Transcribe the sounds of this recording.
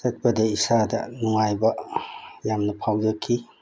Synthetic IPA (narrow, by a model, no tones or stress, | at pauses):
sɐt̚bɐdɐisadɐ̰nuŋajbɐ | jamnɐpʰawd͡ʒɐkʰːi